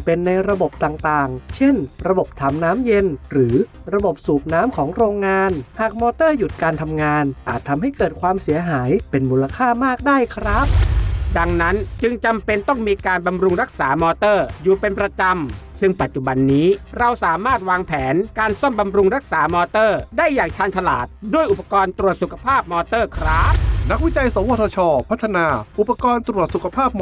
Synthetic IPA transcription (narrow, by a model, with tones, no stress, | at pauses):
pe˧nːa˧jɾa˧bo˨˩p̚t̪aː˨˩ŋt̪aː˨˩ŋt͡ɕʰe˥˩nɾa˧bo˨˩p̚t̪ʰa˧mnaː˦˥mje˧nɾɯː˩˦ɾa˧bo˨˩p̚suː˨˩p̚naː˦˥mkʰɔː˩˦ŋɾoː˧ŋːaː˧nhaː˨˩k̚mɔː˧t̪ɤː˥˩ju˨˩t̪̚kaː˧nt̪ʰa˧mŋaː˧nʔaː˨˩t̪ʰːa˧mɦa˥˩jkɤː˨˩t̪̚kʰwaː˧msi˩˦ɐɦaː˩˦jpe˧nmuː˧la˧kʰaː˥˩maː˥˩k̚daː˥˩jkʰɾa˦˥p̚da˧ŋna˦˥nt͡ɕɯ˧ŋt͡ɕa˧mpe˧nt̪ɔ˥˩ŋmiː˧kaː˧nba˧mɾu˧ŋɾa˦˥k̚saː˩˦mɔː˧t̪ɤː˥˩juː˨˩pe˧npɾa˧t͡ɕa˧m | sɯ˥˩ŋpa˨˩t̪̚t͡ɕu˨˩ba˧nːiː˦˥ɾa˧wsaː˩˦maː˥˩t̪̚waː˧ŋpʰɛː˩˦nkaː˧nsɔ˥˩mba˧mɾu˧ŋɾa˦˥k̚saː˩˦mɔː˧t̪ɤː˥˩daː˥˩jːaː˨˩ŋt͡ɕʰaː˧nt̪ʰa˧la̰ː˨˩t̪̚du˥˩əjʔu˨˩pːḁ˧kɔː˧nt̪ɾu˨˩ət̪̚su˨˩kʰḁ˧pʰaː˥˩p̚mɔː˧t̪ɤː˥˩kʰɾa˦˥p̚na˦˥k̚wi˦˥t͡ɕa˧jsa˨˦wo˧˥˩t̪ʰːt͡ɕʰɔː˧pʰa˦˥t̪ʰːa˧naː˧ʔu˨˩pːa˧kɔː˧nt̪ɾu˨˩ət̪̚su˨kʰa˧pʰaː˥˩p̚